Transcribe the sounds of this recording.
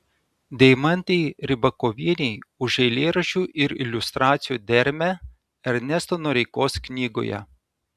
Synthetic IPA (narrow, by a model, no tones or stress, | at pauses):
d̪ʲɛɪmɐnʲt̪ʲɛɪɾʲɪbɐkoːʋʲiɛnʲɛɪʊʒɛɪlʲeːɾɐʃʲuːʔɪɾɪ̰lʲʊst̪ɾɑːt̪sʲɪjuːd̪ʲɛɾʲmʲæ | ɐɾʲnʲɛst̪oːnoːɾʲɛɪkoːsknʲiːɡo̰ːjɛ̰